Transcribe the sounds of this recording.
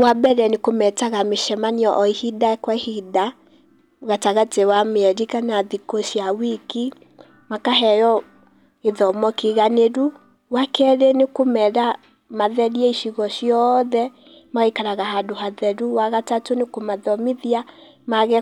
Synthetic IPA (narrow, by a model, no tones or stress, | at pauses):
wabɛɾɛnekomɛtaɣameʃɛmaneɔʔɔihidakwahida | ɣataɣatewameɛɾikanaðikoʃiawiki | makaɦɛjɔ | eðɔmɔkiɣaneɾu | wakɛɾenekomɛɾa | maðɛɾiɛiʃiɣɔʃjɔðɛ | maikaɾaɣaɦadoɦaðɛɾuwaɣatatonekomaðɔmiðia | maɣɛ